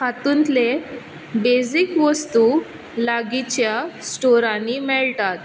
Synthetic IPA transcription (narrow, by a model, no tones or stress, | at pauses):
kat̪unt̪le | bezikʋəst̪u | laɡit͡ɕjasʈɔɾãnːimɛɭt̪at̪